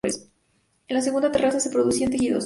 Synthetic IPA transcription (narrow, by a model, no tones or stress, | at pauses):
es | enlas̬e̞ɣund̪at̪e̞rasase̞pɾo̞ðusiant̪exiðo̰s